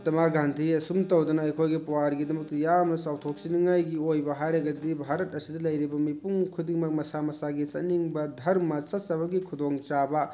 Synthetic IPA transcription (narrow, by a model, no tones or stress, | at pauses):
tɐmaɡantʰiɐsumtɐwdɐnɐɐjkʰojɡipuwaɾɡidɐmɐk̚tijamnɐsawtʰok̚siniŋajɡiojbɐɦaɾeɡɐdibʱaɾɐtɐsidɐlɐjɾibɐmipuŋkʰudiŋmɐk̚mɐsamɐsaɡisɐ̰niŋbɐdʱɐɾmɐsɐsɐbɐɡikʰud̪oŋt͡ʃabɐ